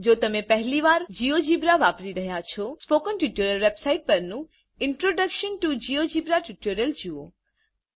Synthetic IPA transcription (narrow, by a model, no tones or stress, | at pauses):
d͡ʒot̪əmepəɦliʋaɾd͡ʒiod͡ʒibɾaʋapɾiɾəɦjat͡ʃʰɔspokənʈuʈuɾəlʋebsaiʈ̚pəɾnũ | ɪɳʈɾoɖəkʃənʈud͡ʒijod͡ʒibɾaʈuʈoɾəld͡ʒio̰